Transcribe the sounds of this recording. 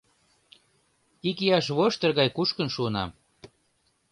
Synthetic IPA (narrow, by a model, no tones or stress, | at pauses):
ikijɑʃ̬βoʃt̪ərɣɑjkuʃkənʃuənɑ̰m